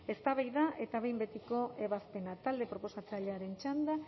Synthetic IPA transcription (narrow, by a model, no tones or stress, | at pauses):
e̞st̪aβajðaʔe̞t̪aβejmbe̞t̪iko̞ʔe̞βaspe̞nat̪ald̪e̞pɾo̞po̞sat͡saʎeaɾe̞nt͡ʃand̪a